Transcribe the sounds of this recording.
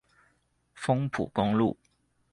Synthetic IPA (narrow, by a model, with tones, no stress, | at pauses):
fʊ˥ŋpʰṵ˨˩kʊ˥ŋlṵ˥˨˩